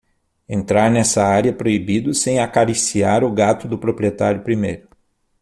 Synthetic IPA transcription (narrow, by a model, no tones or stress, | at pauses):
ẽnt̪ɾaɾnɛsɐaɾjɐpɾoibid̪ʊsẽj̃akaɾisiaɾʊɡat̪ʊd̪ʊpɾopɾiet̪aɾjʊpɾimejɾʊ